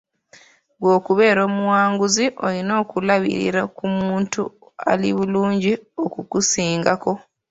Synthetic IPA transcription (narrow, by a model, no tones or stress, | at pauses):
ɡwo̞ːkuβeːɾo̞ːmuwaːŋɡuziʔo̞lino̞ːkulaβḭɾḭɾakumuːntu | a̰liβuluːɲɟiokukusiːŋɡako̞